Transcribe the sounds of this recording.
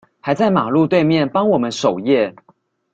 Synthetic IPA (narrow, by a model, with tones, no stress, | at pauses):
xa˧˥ɪt͡sa˥˩ɪma˨˩lu˥˧t̪we˥˧ɪmjɛ˥˨npɑ˥ŋwɔ˨˩mə˨˦nʂo˨˩ʊjɛ˥˨